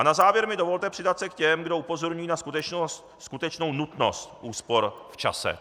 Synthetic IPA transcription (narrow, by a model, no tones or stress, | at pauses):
ʔanazaːvjɛɾmɪdovo̞lt̪ɛpr̥ɪdat̪sɛkcɛmɡdoupo̞zo̞ɾɲujiːnaskut̪ɛt͡ʃnos | skut̪ɛt͡ʃno̞wnut̪no̞̰st̪ʔuːspo̞ɾft͡ʃa̰sɛ̰